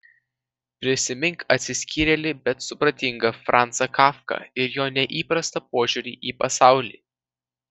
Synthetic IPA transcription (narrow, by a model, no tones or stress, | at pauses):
pʲɾʲɪsʲɪmʲɪŋkɐt̪ʲsʲɪsʲkʲiːɾʲɛlʲɪbʲɛt̪sʊpɾɐt̪ʲɪŋɡɐfɾʔɑˑnt̪sɐkɑːfkɐ̰ɪɾjoːnʲɛʔiːpɾɐst̪ɐp̚oːʒʲʊɾʲiːʔiːpɐsɑˑʊlʲḭː